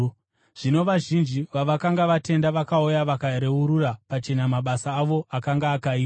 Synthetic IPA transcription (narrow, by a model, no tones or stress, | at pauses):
ʐ̥ino̞ʋaʒind͡ʒiʋaʋakaŋɡaʋate̞ndaʋakaojaʋakaɾe̞uɾurapat͡ʃe̞namaɓasaːʋo̞akaŋɡaːkaiː